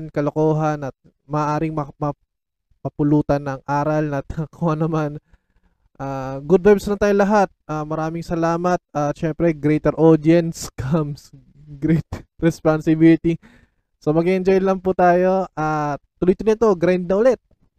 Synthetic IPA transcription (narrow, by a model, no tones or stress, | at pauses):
nkɐlokoːɦɐnɐt̪̚ | mɐʔːʔaːɾɪŋmɐmɐ | pɐpʊluːt̪ɐnːɐŋʔaːɾɐlnɐt̪̚ɐkʰʊanɐman | ʔaːɡʊd̪̚bajbslɐnt̪aːjolɐɦat̪̚aːmɐɾaːmɪŋsɐlaːmɐt̪̚at̪ʃɛmpɾɛɡɾɛjt̪ɛɾʔod̪ɪɛnskʰams | ɡɾɛt̪ɾɛspansɪbilɪt̪i | somɐɡiʔɛnd͡ʒojlɐŋput̪aːjo̞ʔat̪ːʊlʊjt̪ʊnɪt̪o̞ɡɾajnd̪̚nɐʔʊlɛt̪̚